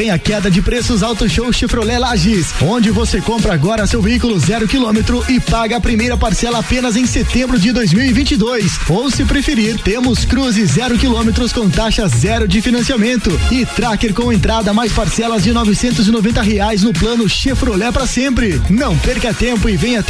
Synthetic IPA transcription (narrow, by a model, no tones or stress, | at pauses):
ẽj̃ɐkɛd̪ɐd͡ʒɪpɾesʊzawt̪oʃowʃefɾolɛlaʒisõd͡ʒɪvosekõmpɾɐaɡɔɾɐsewveikʊlʊzɛɾʊkilõmet̪ɾʊʔɪpaɡɐːpɾimejɾɐpaɾsɛlɐːpẽnɐzẽj̃set̪ẽmbɾʊd͡ʒɪd̪ojzmiwɪvĩnt͡ʃid̪ojs | owsɪpɾefeɾiɾt̪ẽmʊskɾuzɪzɛɾʊkilõmet̪ɾʊskõw̃t̪aʃɐzɛɾʊd͡ʒɪfinɐ̃siamẽnt̪ʊɪt̪ɾakeɾkõw̃ẽnt̪ɾad̪ɐmajspaɾsɛlɐzd͡ʒɪnɔvɪsẽnt̪ʊzɪnovẽnt̪ɐɦeajznʊplɐ̃nʊʃefɾolɛpɾɐsẽmpɾɪnɐ̃w̃peɾkɐt̪ẽmpʊɪvẽj̃ɐ